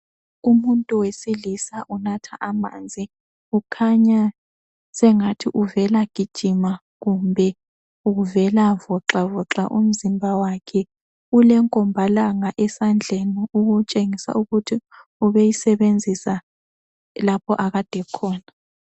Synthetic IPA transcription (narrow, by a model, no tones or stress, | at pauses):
umuntʼuwesilisaʔunatʰaʔama̰ːnd͡zʱi | ukʰaɲa | sɛŋatʰiʔuvɛlaɡ̥ʱid̥ʒ̥ʱima | ɣumbʱɛ | uɣuvɛlavɔǁavɔǁa̰ʔṵm̩zimbʱawakʰɛ | ulɛŋkʼɔmbʱalaŋaʔɛsand͡ɮʱeniuɣut͡ʃʼeŋisa̰ʔuɣutʰiuβejisɛβend͡zʱisa | lapʰɔ̰ʔaɣad̥ʱɛkʰɔːna